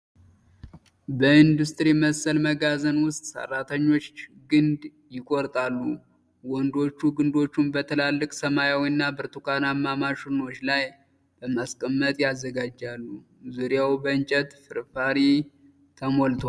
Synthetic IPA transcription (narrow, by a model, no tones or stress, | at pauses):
bəind̪ust̪ʼɨɾiməsəlməɡazənwʊst̪ʼsə̰rːat̪ʰəɲːo̞t͡ʃːɡɨnd̪ | jɪkʼoɾt̪ʼalːu | wɔnd̪o̞t͡ʃːuɡɨnd̪o̞t͡ʃːumbət̪ʰəlalːɨkʼsəmajawiɨnːabɨɾt̪ʰukʰanamːamaʃɨno̞t͡ʃːlaj | b̥əmaskʼəmːət̪ʼjazːəɡad͡ʒːalːu | zuɾijawbəɨnt͡ʃʼət̪fɨɾfaɾi | t̪ʰəmolt̪ʰa